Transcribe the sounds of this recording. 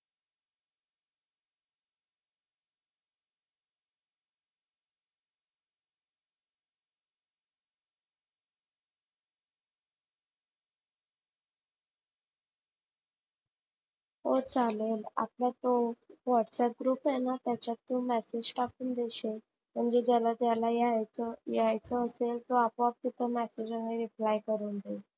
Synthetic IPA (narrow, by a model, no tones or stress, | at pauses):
ɦot͡salela̰pljat̪oʋɔʈsɛʈ̚ɡɾuːpjenat̪jat͡ɕjat̪ːomæsed͡ʑʈakuːnd̪eɕe | m̤əɳd͡ʑed͡ʑalad͡ʑalajajjajt͡səːselt̪oapəap̚t̪it̪ʰəmæsed͡ʑaŋeɾiplajkəɾuːnd̪e